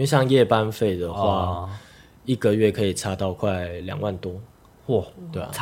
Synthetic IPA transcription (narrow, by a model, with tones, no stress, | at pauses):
we˥˧ɕjɑ˥˧ŋjɛ˥˨pa˦nfe˥˩ɪd̪ə˩xwa˥˧ | i˥˩ɡə˨ɥɛ˥˩kʰɤ˧˥i˨˩t͡sʰa˥t̪ɑ˥˧ʊkʰwa˥˩ɪljɑ̰˨˩ŋwa˥˨nt̪ʊ˥ŋ | t̪we˥˩ɪ